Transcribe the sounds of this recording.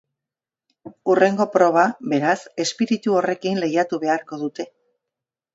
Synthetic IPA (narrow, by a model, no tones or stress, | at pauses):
ure̞ŋɡo̞pɾo̞β̞aβe̞ɾase̞spiɾit̪uo̞re̞kinle̞jat̪uβe̞aɾko̞ðut̪e̞